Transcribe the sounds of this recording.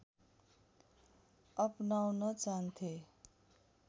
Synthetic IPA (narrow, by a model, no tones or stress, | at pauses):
ʌpnawnʌt͡saɦʌnt̪ʰe